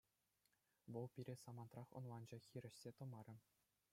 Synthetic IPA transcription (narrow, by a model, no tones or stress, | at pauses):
ʋɤ̆lˠpʲiɾʲesɑmɑnt̪rɑχŏ̰nlˠɑnd͡ʑɑxʲiɾʲɘ̆ɕsʲet̪ɤ̆mɑɾʲɘ̆